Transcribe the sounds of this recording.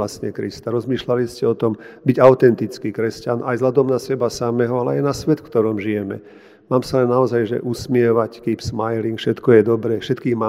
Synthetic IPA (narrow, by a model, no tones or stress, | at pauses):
asɲɛkɾist̪aɾɔzmiːʃlaliscɛɔt̪ɔmbiɟaʊt̪ɛnt̪it͡skikɾɛscanajzlad̪ɔmnasɛbasamɛɦɔalɛajnasʋɛt̪fkt̪ɔɾɔmʒijɛmɛ̰ | maːmsalɛnːaɔzajʒɛ̰ʔusmɪɛʋackiːpsmajliŋkfʃɛt̪kɔjɛd̪ɔbɾɛːfʃɛt̪kiːɣma